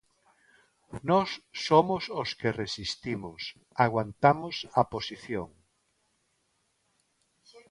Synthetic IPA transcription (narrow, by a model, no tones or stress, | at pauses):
nɔsːomososkeresist̪imos | aɣwant̪amosaposiθjoŋ